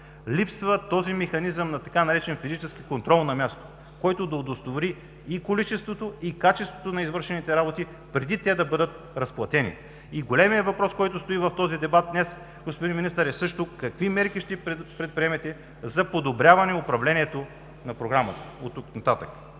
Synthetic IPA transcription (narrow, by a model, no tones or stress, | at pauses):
lipsvət̪ɔzimɛxɐnizəmnɐt̪ɐkanɐɾɛt͡ʃɛnfizit͡ʃɛsk̟ikont̪ɾɔlˠnɐmʲjast̪o̥ | kɔjt̪od̪ɐod̪ost̪ovoɾiː | kolit͡ʃɛst̪vot̪oikat͡ʃɛst̪vot̪onɐizvɤɾʃɛnit̪ɛɾabot̪i | pɾɛd̪it̪ɛd̪ɐbɤd̪ət̪ | ɾɐsplˠɐt̪ɛnḭ | iɡolɛmiɛvɐpɾɔskɔjt̪ost̪oivɐft̪ɔzid̪ɛbat̪̚d̪nɛs | ɡospod̪inminist̪əɾɛsɤʃt̪okɐkvimɛɾkiʃt̪ɛpɾɛt̪̚pɾiɛmɛt̪ɛ | zɐpod̪obɾjavɐnɛʊpɾɐvlɛnʲiɛt̪o | nɐpɾoɡɾamɐt̪ə̥ot̪ːuknɐt̪at̪ək